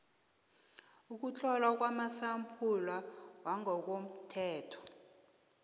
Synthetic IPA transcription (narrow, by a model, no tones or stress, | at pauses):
uk̬ut͡ɬʰʼɔlak̬wamasampʰulawaŋɔk̬om̩tʰɛːtʰɔ̥